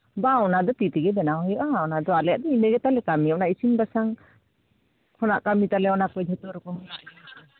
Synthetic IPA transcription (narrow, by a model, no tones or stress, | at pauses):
baɔnad̪ɔt̪it̪iɡɛdɛnaɦɔjɔʔaɔnad̪ɔalɛjaʔdɔineɡɛt̪alɛkamiaɔnaʔisinbasaŋ | kʰɔnaʔkamit̪alɛɔnakɔjd͡ʒʱɔt̪ɔɾɔkɔmɔnaʔa